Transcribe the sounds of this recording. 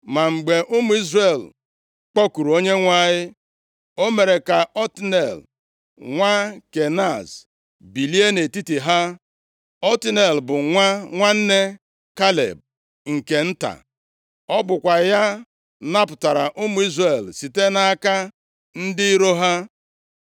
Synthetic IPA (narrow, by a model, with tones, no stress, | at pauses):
ma˨ŋ͡m̩˨ɡ͡be˨ʔʊ˦mʊ˨˦i˦zre˨l | k͡pɔ˦ku˨ɾu˨o˦ɲe˦ŋʷa˦˨ɲɪ˦ | o˦me˨ɾe˨ka˨ɔ˦tnḛ˨l | ŋʷa˦ke˨na˦˨z | bi˨li˦e˦ne˨ti˦ti˨ɦa˦ | ɔ˦tɪ˦ne˨lbʊ˨ŋʷa˦ŋʷa˦n̩˦ne˦ | ka˦lḛ˨b̚ | ŋ̩˨ke˨n̩˦ta̰˨ | ɔ˦bʊ˨kʷa˨ja˦ | na˦pʊ˨ta˨ɾa˨ʔʊ˦mʊ˨˦i˦zre˨lsi˨te˦na˦a˦ka˦ | n̩˦dɪ˦i˦ɾo˦ɦa˦